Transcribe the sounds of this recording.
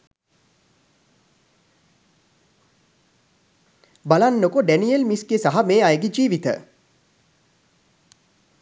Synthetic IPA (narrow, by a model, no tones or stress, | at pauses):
balanːokoɖænielmisɡesaɦameːajɡed͡ʒiːʋit̪ə̰